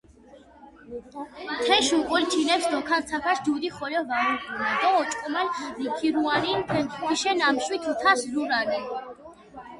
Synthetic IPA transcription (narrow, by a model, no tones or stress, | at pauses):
t̪ʰɛʃuqʼult͡ʃʰinɛpsd̪ɔkʰant̪sʰapʰaʃd͡ʒud̪iχɔlɔvaɾukunad̪ɔːt͡ʃʼkʼɔmallikʰiɾuaninp̪ʰɛnʰiʃɛnamʃwit̪ʰut̪ʰasɾuɾanɛ